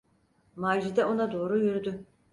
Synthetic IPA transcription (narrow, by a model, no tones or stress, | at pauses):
maːʒid̪ɛo̞nad̪o̞ːɾujyɾyd̪y